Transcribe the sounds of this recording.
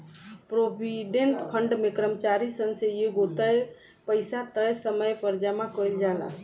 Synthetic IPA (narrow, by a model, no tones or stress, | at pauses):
pɾobʱiɖeɳʈpʰəɳɖmekɾəmət͡ʃaɾisənsejeɡot̪əj | pəɪsat̪əjsəməjpəɾd͡ʒəmakəjld͡ʒala̰